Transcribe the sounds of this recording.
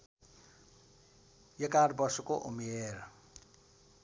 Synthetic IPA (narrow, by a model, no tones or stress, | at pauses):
jʌkarbʌsokoʔumer